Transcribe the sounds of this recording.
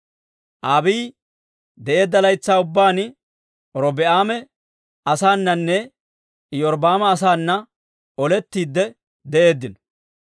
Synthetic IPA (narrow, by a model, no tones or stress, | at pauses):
ʔaːbiː | d̪ɛʔe̞ːd̪ːɐlɐjt͡sːaːʊbːaːn | ɔɾɔbɛaːmɛ | ɐsaːnːɐnːɛ | jɔɾbaːmɐːs̬aːnːɐ | ɔlɛt̪ːiːd̪ːɛ | d̪ɛʔe̞ːd̪ːɪnɔ̥